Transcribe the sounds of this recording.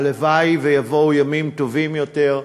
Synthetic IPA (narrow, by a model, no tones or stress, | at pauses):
levajvejavo̞wjamimt̪o̞vimjot̪e̞ʁ